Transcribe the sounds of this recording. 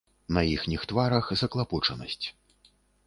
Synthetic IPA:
nɐixnʲixt̪vaɾɐxzɐklˠaput͡ʂɐnɐ̰sʲt͡sʲ

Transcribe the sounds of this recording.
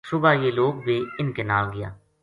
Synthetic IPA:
sʊbaːjeːloːɡ̚beːɪnkenaːlɡɪja̰ː

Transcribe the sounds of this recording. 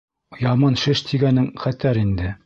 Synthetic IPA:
jɑmɑnʃɘʃt̪ʰiɡænɘŋχæt̪æɾind̪ɘ

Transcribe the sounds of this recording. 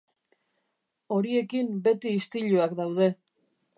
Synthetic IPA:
o̞ɾie̞kimbe̞t̪iːst̪iʎuakd̪awð̞e̞

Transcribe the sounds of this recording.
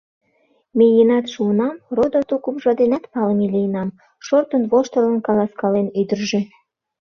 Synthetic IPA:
mejenɑt̪ʃuənɑmrod̪ot̪ukumʒɑd̪enɑt̪pɑlmelijənɑm | ʃort̪ənβoʃt̪ə̆lənkɑlɑskɑlenyd̪ərʒe

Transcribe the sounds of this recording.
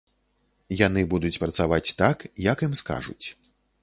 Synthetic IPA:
jan̪ɨbud̪ut͡sʲpɾɐt̪savat͡sʲt̪akjɐkimska̰ʐṵt͡sʲ

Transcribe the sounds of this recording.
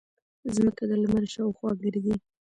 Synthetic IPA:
zməkad̪əlməɾʃɑwxwɑɡɪɾd̪i

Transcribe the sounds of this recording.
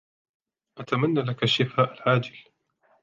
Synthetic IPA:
ʔat̪amanːalakaʃːɪfaːʔalʕaːd͡ʒɪl

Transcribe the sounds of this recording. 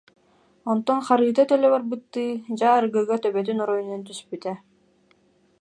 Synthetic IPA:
ɔnt̪ɔnχaɾɯːt̪at̪œlʲœβaɾbɯt̪ːɯːd͡ʑaːɾɯɡɯɡɔt̪œβœt̪̬ynɔɾɔjninɛnt̪yspyt̪ɛ

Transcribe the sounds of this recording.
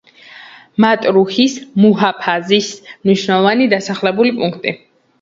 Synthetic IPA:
mat̪ʼɾuhismuɦapʰazismniʃwnɛlˠɔvanid̪asaχlɛbulipʼuŋkʰt̪ʼḭ

